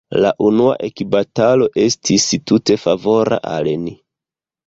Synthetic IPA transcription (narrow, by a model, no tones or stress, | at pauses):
la̰ʔunua̰ʔekibatalo̞ʔe̞stʰistute̞favo̞ɾa̰ʔa̰leni